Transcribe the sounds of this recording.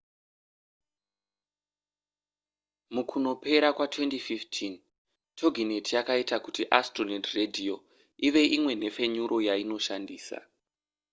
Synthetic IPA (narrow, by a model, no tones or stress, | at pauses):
mukʰuno̞pe̞ɾakwatwe̞ndififtʰin | tʰo̞ɡʱine̞tʰijakaitakutiʔastronetredʱio̞ | iʋe̞ʔimwe̞n̤e̞fe̞ɲuɾʔo̞jaino̞ʃandiːsa̰